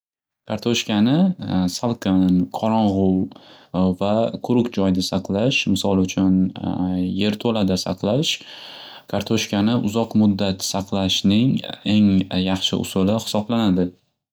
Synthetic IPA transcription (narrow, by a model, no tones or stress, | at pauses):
kʰaɾt̪ʰoʃkʲanɪsalˠqɨnqʰɒɾɒɴʁʊl | vakʰʊɾʊkʲd͡ʒɒjd̪asɑqlˠaʃmɪsɒlˠʊt͡ʃʰʊn | je̞ɾt̪ʰolad̪asɑ̰qlaʃ | kʰaɾt̪ʰoʃkʲanɪʔʊzɒqmʊd̪ːat̪sɑqlˠaʃnɪŋe̞ŋjɑχʃɪ̰ʔʊ̰sʊlɪhɪ̥sɒblanad̪ɪ